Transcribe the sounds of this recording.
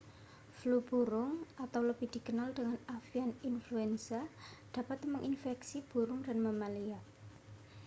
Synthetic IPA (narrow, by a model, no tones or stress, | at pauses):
flub̥uɾʊŋat̪awləb̥ɪhd̥i̤kənaldəŋanafianinfluɛnsad̥ä̤pat̪məŋʔinfɛksib̥ṳɾʊŋdanməmalia